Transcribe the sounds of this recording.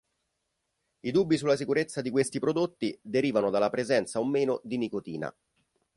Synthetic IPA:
id̪ubːisulːasikuɾet̪sːad̪ikwest̪ipɾod̪ot̪ːid̪eɾiːvanod̪alːapɾezɛnt̪saomːeːnod̪inikot̪iːna̰

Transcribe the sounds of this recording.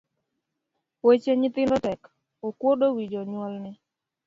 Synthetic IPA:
wet͡ʃeɲɪt̪ɪndɔtɛk | okwodowid͡ʒoɲwɔlnɪ

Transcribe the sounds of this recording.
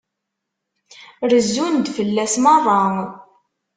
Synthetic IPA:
ɾəzːund̪fəlːæsmərˤːɑ

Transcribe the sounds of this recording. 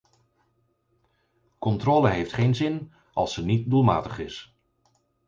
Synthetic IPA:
kɔntroːləɦejftχejnzɪn | ɑ̰lˠsənit̚dulˠma̰ːtəχɪs

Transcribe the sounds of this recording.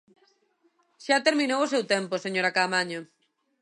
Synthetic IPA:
ʃat̪eɾmĩnowosewt̪ɛmposeɲoɾakamaɲo

